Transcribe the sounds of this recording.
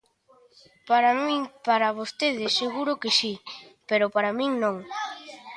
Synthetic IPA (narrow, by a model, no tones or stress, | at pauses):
paɾamĩŋpaɾaβ̞ost̪eðɪsːeɣuɾʊkɪsipeɾʊpaɾamĩŋnõŋ